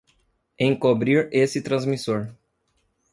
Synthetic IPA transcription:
ẽj̃kobɾiɾesɪt̪ɾɐ̃zmisoɾ

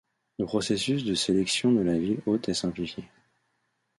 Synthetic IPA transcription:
ləpχɔsesysd̪əselɛksjɔ̃d̪əlavilot̪ɛsɛ̃plifje

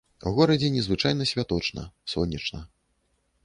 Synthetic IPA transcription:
uɣɔɾɐd͡zʲɛnʲɛzvɨt͡ʂajnɐsʲvʲat̪ɔt͡ʂnɐ̰sɔːɐt͡ʂnɐ

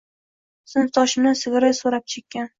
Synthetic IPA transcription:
sʊnt̪ʰɒʃɪmnɪsɪɡɾɪsoɾap̚t͡ʃʰekʲːan

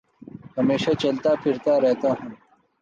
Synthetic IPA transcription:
hɐmeːʃat͡ʃɐlt̪aːpʰɪɾt̪aːɾɛɦt̪aːɦũː

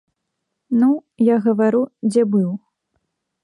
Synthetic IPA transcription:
nu | jaɣɐvaɾud͡zʲɛbɨw

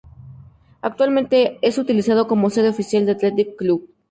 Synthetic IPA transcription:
ak̚t̪walmẽnt̪e̞esut̪ilisaðo̞ko̞mose̞ðeofisjald̪eat̪let̪ikːluβ

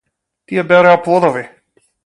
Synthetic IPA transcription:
t̪ijɛbɛɾojapɔd̪ɔvi

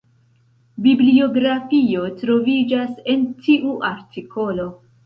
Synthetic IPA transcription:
biblio̞ɡɾafio̞tɾo̞vid͡ʒase̞ntʰiʔuʔaɾtikʰo̞lo̞

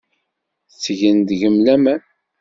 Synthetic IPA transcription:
t͡sːʝənd̪ʝəmlæmæ

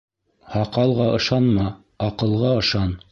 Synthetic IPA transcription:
hɑqɑlˠʁɑʔɤ̆ʃɑnmɑ | ɑqɤ̆lˠʁɑɤ̆ʃɑn

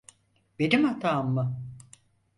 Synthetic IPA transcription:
b̥e̞nimat̪ʰaːmːɯ

